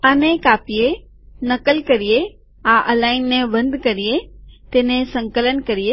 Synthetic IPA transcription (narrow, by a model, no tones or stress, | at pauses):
anẽkaːpie | nɐkəlkɐɾije | aʔɐlaːɪnːɛ̃bɐ̃nd̪ʱkɐɾijet̪eːnẽsɐ̃ŋkələnkɐɾie